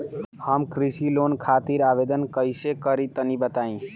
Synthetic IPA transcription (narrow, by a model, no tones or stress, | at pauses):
həmkɾisiloːnkʰaːt̪iɾaːʋeːd̪ənkəɪsekəɾit̪ənibət̪aːĩː